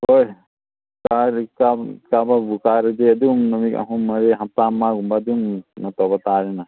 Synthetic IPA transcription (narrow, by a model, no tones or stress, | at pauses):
hoj | kaɾkakababukaɾəd͡ʒeɐd̪umnɐmika̰ɦũmɐɾeɦat̪amaɡumbad̪umnɐt̪ɔbɐt̪aːɾɛna